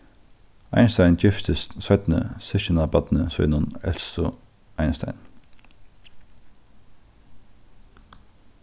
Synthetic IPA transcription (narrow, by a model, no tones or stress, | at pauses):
a̰ɪnst̪aɪnd͡ʒɪft̪ʰəst̪sœt̪nə̰sɪʃɪnabad̪nəsœʏnʊnɛ̰lsʊ | aɪnst̪a̰ɪn